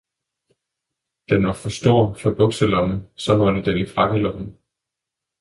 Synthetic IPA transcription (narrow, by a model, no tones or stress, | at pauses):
d̥enʋɑfɒsd̥oɐ̰fɒ̽b̥ɔ̽ɡ̥səlɒ̽məsɒ̽hɒnəd̥enifʁɑɡ̥əlɔ̽b̥n̩